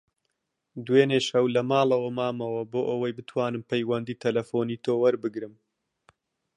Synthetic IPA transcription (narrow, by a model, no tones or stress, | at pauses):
d̪weːneʃɐwlɐmaːlˠɐwɐmaːmɐwɐboːʔɐwɐjbɨt̪ʰwaːnɨmpɐjwɐnd̪iːt̪ʰɐlɐfoːniːt̪ʰoːwɐɾbɨɡɾɨm